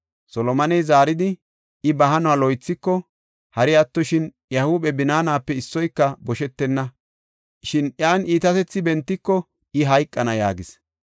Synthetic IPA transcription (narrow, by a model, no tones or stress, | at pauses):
sɔlɔmɐnɛjzaːɾɪd̪ɪ | ɪbɐɦɐnʊwaːlɔjt͡sːɪkːɔ | hɐɾɪɐt̪ːɔʃɪn | jɐhubɛbɪnaːnaːpːɛɪsːɔjkːɐbɔʃɛt̪ːɛnːɐ | ʃɪnjaːniːt̪ɐt̪ɛt͡sːɪbɛnt̪ːɪkːɔ | ɪɦɐjkʼːɐnɐja̰ːɡɪs